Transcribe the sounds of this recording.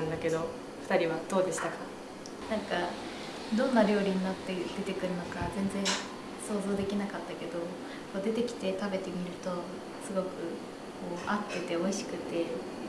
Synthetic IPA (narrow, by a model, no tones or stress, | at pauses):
nd̪ake̞d̪o̞ | ɸɯ̟̥t̪aɾʲiβad̪̥o̞ːd̪e̞ɕi̥t̪aka | nãŋka | d̪õ̞nːaɾʲo̞ːɾʲiɲ̟inat̪ːe̞d̪e̞t̪e̞kɯ̟ɾɯ̟no̞kazẽ̞nd͡zẽ̞ɰ̃ | so̞ːzo̞ːd̪e̞kʲinakat̪ːake̞d̪o̞ | ko̞ːd̪e̞t̪e̞kʲi̥t̪e̞t̪abe̞t̪e̞mʲiɾɯ̟t̪o̞ | sɨɡo̞kɯ̟ | ko̞ːapːɯt̪e̞o̞iɕi̥kɯ̟t̪e̞